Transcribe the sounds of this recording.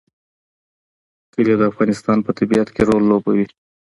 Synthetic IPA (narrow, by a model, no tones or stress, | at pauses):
kəled̪əafɣɑnɪst̪ɑnpət̪abiat̪keɾolːobawi